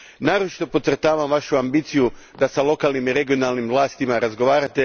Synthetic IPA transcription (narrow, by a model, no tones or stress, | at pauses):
naːɾot͡ʃi̥t̪o̞po̞t̪sɾt̪aːʋamʋaʃuambiːt̪siju | d̪asalˠo̞kalˠnimiɾe̞ɡio̞nalˠnimʋlˠaːst̪imaɾazɡo̞ʋaːɾat̪e̞